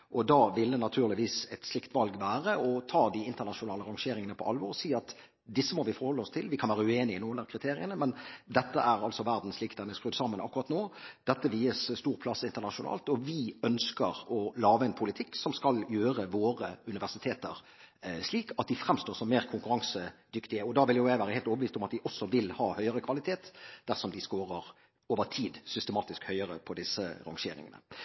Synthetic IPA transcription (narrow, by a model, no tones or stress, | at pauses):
ʔɔd̪ɑːʋɪld̪ɛnɑt̪ʰʉːʁlɪʋiːsɛt̪slɪkt̪ʋɑlɡʋæːɾəɔt̪ʰɑːd̪ɪɪnt̪əʁnɑʂʊnɑːləɾɑŋʃeːɾɪŋənəpʰɔɑlʋɔʁɔsiːɑt̪ | d̪ɪsːəmɔʋɪfɔɾhɔlːəɔst̪ʰɪlʋɪkʰɑnʋæːɾəʉeːnɪɪnuːəlækʰʁɪt̪ʰeːɾɪənəmɛnd̪ɛt̪ːəæɾɑlsɔʋæʁd̪n̩slɪkt̪ɛnəskʁʉːd̪sɑmːənʔɑ̰kːʊɾʁɑːt̪noːd̪̥ɛt̪ːəʋiːəsst̪uːʁpʰlɑsɪnt̪əʁnɑʂʊnɑ̰ːlt̪ɔʋɪœnskəɾɔlɑːʋəɛnpʰʊlɪt̪ʰɪkːsɔmskɑljøːɾəʋoːɾəʉnɪʋæʁsɪt̪ʰeːt̪əɾ | ʂliːkʰɑt̪̚d̪ɪfɾɛmst̪oːʁsɔmːeːʁkʰʊŋkʉɾɑŋsəd̪ʏkt̪ɪəɔd̪ɑːʋɪljʊjæɪʋæːɾəhɛːlt̪oːbəʋiːst̪ʊmɑt̪d̪ɪʔɔsːɔʋɪlhɑːhœʏəɾəkʰʋɑlɪt̪ʰeːt̪d̪æʁsɔmd̪ɪskoːʁəʁ | oːʋəʁt̪ʰiːd̪sʏst̪əmɑːt̪ɪskhœʏəɾə̰pʰɔd̪ɪsə̰ɾɑ̰ŋʃeːɾɪ̰ŋə̰nə̰